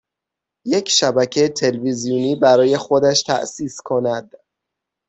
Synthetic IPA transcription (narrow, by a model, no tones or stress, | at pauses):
je̞cʰʃæbæcʰejt̪ʰe̞lvizijuːniːbæɾɒːje̞xo̞d̪æʃt̪ʰæ̰ʔsiːskʰonæd̪̥